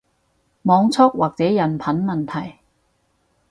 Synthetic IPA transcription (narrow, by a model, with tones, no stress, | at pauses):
mɔː˨˧ŋt͡sʰɔ˥k̚waː˨˩k̚t͡sɛː˨˥jɐ˨˩npʰɐ˨˥nmɐ˨˩nt̪ʰɐ˨˩j